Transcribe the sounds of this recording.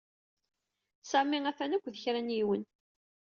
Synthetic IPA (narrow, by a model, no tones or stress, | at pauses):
sæmːiæθænækʷːðəçɾænjiwən